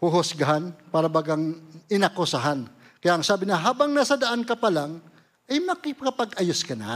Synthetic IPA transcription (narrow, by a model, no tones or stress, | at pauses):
hʊɦʊsɡɐɦanpaːɾɐbaɡaŋɪnɐkosaɦan | kɐjaʔɐŋsaːbɪnɐɦaːbɐŋnaːsɐd̪ɐʔankɐpɐlaŋ | ʔɐjmɐkɪkɐpɐɡʔɐjʊskɐna̰